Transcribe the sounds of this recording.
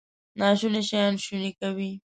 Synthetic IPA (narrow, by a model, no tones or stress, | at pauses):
nɑʃuneʃajɑnʃunikawi